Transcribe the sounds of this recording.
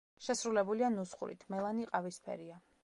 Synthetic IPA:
ʃɛsɾulɛbulianusχṵɾḭt̪ʰmɛlˠaniqʼavispʰɛ̰ɾia

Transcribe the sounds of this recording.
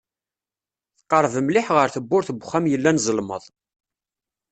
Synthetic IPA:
θqːəɾˤvəmlɪħʁəɾθəbːʊɾθəbχːæmjəlːænzˤəlmə̰ðˤ

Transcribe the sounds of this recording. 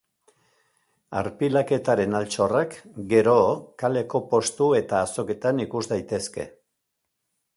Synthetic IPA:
a̰ɾpilake̞t̪aɾe̞nalt͡ʃo̞rakɡe̞ɾo̞kale̞ko̞po̞st̪ue̞t̪aːso̞ke̞t̪anikuzd̪ajt̪e̞ske̞̰

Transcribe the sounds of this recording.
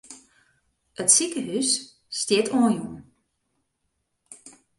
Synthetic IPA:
ətsikəɦys | stjɪtʰɔːnjun

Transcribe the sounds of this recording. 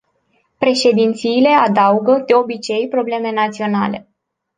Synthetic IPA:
pɾe̞ʃe̞d̪int̪siːle̞ad̪auɡəd̪̥eo̞bit͡ʃe̞jpɾo̞ble̞me̞nat̪sio̞na̰le̞

